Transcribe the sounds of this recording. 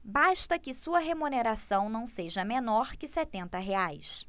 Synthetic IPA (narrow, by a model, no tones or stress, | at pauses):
baʃt̪ɐkɪsuɐɦemuneɾasɐ̃w̃nɐ̃w̃seʒɐmenɔɾkɪsɛt̪ẽnt̪ɐɦeajs